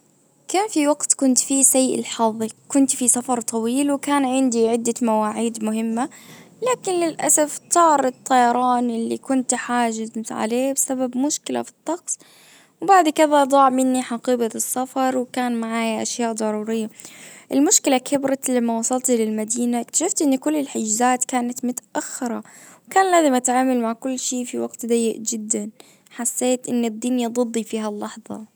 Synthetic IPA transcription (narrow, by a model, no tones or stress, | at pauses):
kaːnfiwaɡt̪kʊnt̪fisajːʔɪ̰lħɑðˤːikʊnt̪fisafɑɾˤt̪ˤʰɑwiːlwkaːnʕɪnd̪iʕɪd̪ːamawaːʕiːd̪mʊɦɪmːalaːkɪnlɪlʔa̰saft̪ˤɑːɾˤɨt̪ˤːɑjɑɾˤɑːnʔɪlːikʊnt̪ħaːʒɪzt̪ʕa̰leːbɪsababmʊʃkɪla̰fi̥t̪ˤːɑqsˤ | wbaʕd̪kɪðad̪ˤɑːʕmɪnːiħɑqiːbɑsːafɑɾˤwɪkaːnmaʕaːjʔa̰ʃjaːʔd̪ˤɑɾˤuːɾɪjːaʔɪlmʊʃkɪlakʰɪbɾɑlamːawɑsˤɑlt̪ilɪlmad̪iːnakt̪ḁʃɪft̪ʔɪnːikʊlːɪlħɪd͡ʒzaːt̪kaːnat̪mʊt̪ḁʔaxːɪɾɑwkaːnlaːzɪmʔat̪ʕaːmalmaʕkʊlːʃiːfiwaɡt̪d̪ajːɪʔd͡ʒɪd̪ːan | ħasːeːt̪ʔɪnːɪd̪ːiːnjɑd̪ˤɨd̪ˤːifiːɦalːɑħðˤɑ̰